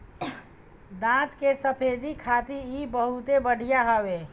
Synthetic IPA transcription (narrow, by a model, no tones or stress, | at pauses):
d̪ãt̪kesəpʰed̪ikʰat̪iibəɦut̪ebəɽ̤ʱijaɦɔwe